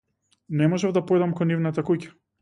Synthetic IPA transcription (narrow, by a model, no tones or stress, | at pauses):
nɛmɔʒɛvd̪apɔjd̪amkɔnːivnat̪akucḁ